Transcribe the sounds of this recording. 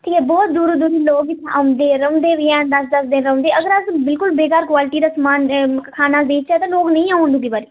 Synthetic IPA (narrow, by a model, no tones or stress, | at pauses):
ʈʰiːkɛːbɔːt̪̚d̪uːɾd̪uːɾiːloːɡt̪ʰaʊnd̪eːɾəʊ̃ːnd̪eːɾɪɛ̃ːnd̪əsd̪əsd̪ɪnɾəõːnd̪eːəɡəɾəsbɪlkʊlbeːkaːɾkwaːlɪʈiːd̪aːsmaːnkʰaːnaːb̪eːt͡ʃɛːt̪ãːloːɡnəĩːaːʊ̃nd̪uːɡ̪iːbaːɾiː